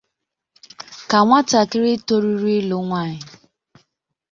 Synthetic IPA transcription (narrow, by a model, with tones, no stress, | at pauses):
ka˨ŋʷa˦ta˨kɪ˦ɾɪ˦to˦ɾi˦ɾi˦lo˨ŋʷa˦˨ɲɪ˨